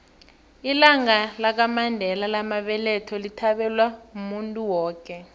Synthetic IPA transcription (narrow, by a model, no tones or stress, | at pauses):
ilaŋalak̬amandʱɛlalamaɓɛlɛtʰɔlitʰaɓɛlwaumuntʼuwɔːk̬ʼɛ